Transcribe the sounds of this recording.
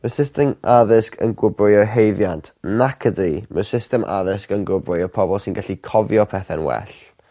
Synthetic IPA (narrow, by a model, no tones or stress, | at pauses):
məsɪstɛmaðɪskʰə̰nɡʊbrʊjɔɦejðjantnakʰədiməsɪstɛmʔa̰ðɪskənɡʊbrʊjɔpʰɔbɔlˠsɪnɡaɬikʰɔvjɔpʰɛθɛnwɛ̰ɬ